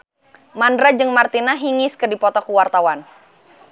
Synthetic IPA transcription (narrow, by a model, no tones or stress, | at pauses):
mandɾad͡ʒɨŋmart̪inaɦiŋɪskɨrdipɔt̪ɔkuwart̪awan